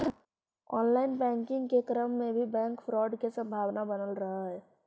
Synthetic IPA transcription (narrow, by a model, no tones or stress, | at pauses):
ɔːnlaɪnpɛ̃ːŋkɪ̃ŋɡkekɾəmːẽbʱibɛ̃ːŋkpʰɾɔːɖkesə̃mbʱaːʋnabənəlɾəɦəɦɛ